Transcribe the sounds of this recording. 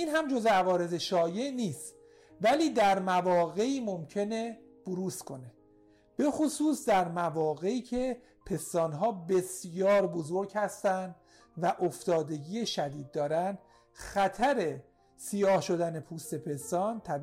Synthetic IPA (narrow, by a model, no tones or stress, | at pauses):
iːnɦæmd͡ʒo̞zeævɒːɾe̞ze̞ʃɒːje̞ʔniːst̪ | væliːd̪æɾmævɒːɣe̞iːmomcʰe̞ne̞ | b̥oɾuːskʰo̞ne̞ | b̥e̞xosuːsd̪æɾmævɒːɣe̞iːcʰe̞ | pʰe̞st̪ɒːnɦɒːbe̞sjɒːɾbo̞zoɾɟhæst̪ænd̪ | væʔoft̪ɒːd̪e̞ɟiːeʃæd̪iːd̪̚ːɒːɾænd̪ | xæt̪ʰæɾe̞ | sijɒːhʃo̞d̪ænepʰuːst̪e̞pʰe̞st̪ɒːnt̪ʰæb